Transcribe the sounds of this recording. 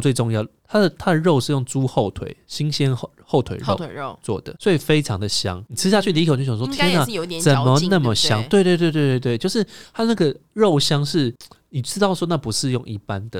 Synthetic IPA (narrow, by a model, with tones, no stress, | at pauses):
t͡swe˥˩ɪo˥˧ŋjɑ˥˩ʊt̪ʰa˥d̪ə˨t̪ʰa˥d̪ə˨ɻo˥˧ʊʂɻ̩˥˧jo˥˩ŋt͡su˦˥xo˥˩ʊt̪ʰwḛ˨˩˦ɪɕi˦ŋɕɛ˦˥n | xo˥˩ʊt̪ʰwḛ˨ɪɻo˨˥˩t͡swɔ̰˥˩d̪ə̰˩swɔ˧˥i˨˩fe˥ɪʈ͡ʂʰɑ˧˦ŋd̪ə˨ɕjɑ̰˦ŋni˨˩t͡sʰɻ̩˥ɕja˥˧t͡ɕʰy˥˩t̪kʰo˨˩˨o˥˩jwɔ˥t̪ʰjɛ˥na˨jo˧t͡st͡sə˨n˨mə˦na˥˩mmə˨˩ɕjɑ˦ŋt̪we˥˧t̪we˥˧t̪wt̪we˥˧we˥˧t̪we˥˩ɪt͡ɕo˥˧ʊʂɻ̩˥˩t̪ʰa˥˧˦na˥˩ɡə˩ɻo˥˨ʊɕjɑ˥ŋʂɻ̩˥˩ni˨˩ʈ͡ʂɻ̩˥ɑ˥˩ʊə˨˩ʂwɔ˥na˥˩pu˧˦ʂɻ̩˥˧jo˥˧ŋʔḭ˥˩pa˦nd̪ə˨